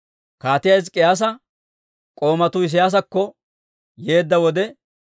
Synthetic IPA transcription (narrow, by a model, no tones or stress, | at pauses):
kaːt̪ɪjɐjs̬kʼɪjaːs̬ɐ | kʼo̞ːmɐt̪ʊɪs̬ɪjaːs̬ɐkːɔ | je̞ːd̪ːɐwɔd̪ɛ